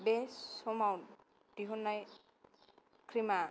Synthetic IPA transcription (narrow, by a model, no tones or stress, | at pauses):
besɔmawn | d̥iɦɔnːaj | kʰɾima